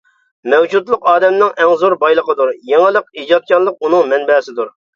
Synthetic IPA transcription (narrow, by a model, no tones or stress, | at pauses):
mɛwd͡ʒut̪lˠəqɑːd̪ɛmnɪŋʔɛŋzuɾbɑjlˠəqəd̪uɾjeŋɨlˠəq̚id͡ʒɑt̪̚kʲɑllˠəq̚unɨŋmɛnbɛsɪd̪uɾ